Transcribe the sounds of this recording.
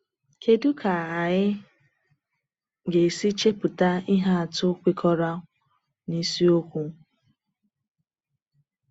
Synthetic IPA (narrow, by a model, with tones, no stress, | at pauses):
kʰe˦du˦kʰa˨a˨ɲɪ˦ | ɡe˨si˦t͡ʃe˦pʊ˨ta˦i˦ɦa˦a˨tʊ˦kʷi˦kʰɔ˦ɾa˦ | ni˦si˦o˦kʷu˦